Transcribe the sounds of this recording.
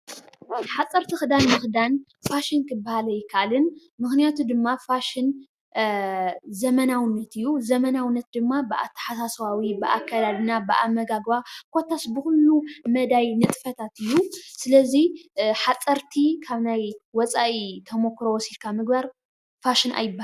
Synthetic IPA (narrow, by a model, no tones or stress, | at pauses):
ħat͡sʼɐɾt̪ʰixɨd̪anmɨxɨd̪an | faʃinkɨbːahalɐjɪkʰaʔlɨn | mɨxnijat̪ʰud̪ɨmːafaʃɪn | zɐmɐnawɨnːɐt̪ɨjːuzɐmɐnawɨnːɐt̪̚d̪ɨmːabɨʔa̰t̪ʰːɐ̥ħasaswawibɨʔa̰kʰːad̪ad̪ɨnabɨʔamːɐɡaɡβakʰo̞t̪ʰasbɨxulːumɐd̪ajnɨt̪ʼfɐt̪ʰat̪ɨjːusɨlɐziħat͡sʼɐɾt̪ʰikʰaβnajwɔt͡sʼaʔit̪ʰɐmokːɾowɔsilkʰamɨɡbaɾ | faʃɪna̰jɪbːa